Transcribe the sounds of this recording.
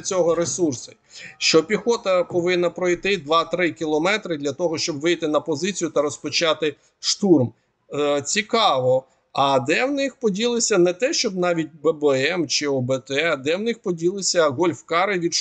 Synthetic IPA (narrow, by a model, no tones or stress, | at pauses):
t͡sʲɔɦɔɾesursʊ | ʃt͡ʃɔpʲixɔt̪ɐpɔʋɪnːɐpɾɔjt̪ɪd̪ʋɑt̪ɾɪkʲilˠɔmɛt̪ɾɪd̪lʲɐt̪ɔɦɔʃt͡ʃɔbʋɪjt̪ɪnɐpɔzɪt͡sʲijʊt̪ɐɾɔspɔt͡ʃɑt̪ɪ | ʃt̪urm | t͡sʲikɑʋɔ | ɐd̪ɛwnɪxpɔdʲilˠɪsʲɐnɛt̪ɛʃt͡ʃɔb̚nɑʋʲit̚ʲbɛbɛɛmt͡ʃɪɔbɛt̪ɛd̪ɛwnɪxpɔdʲilˠɪsʲɐɦɔlʲfkɑɾɪʋʲid̪